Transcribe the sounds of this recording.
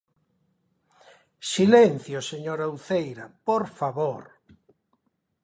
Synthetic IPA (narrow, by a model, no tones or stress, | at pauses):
silenθjoseɲoɾauθejɾapoɾfaβoɾ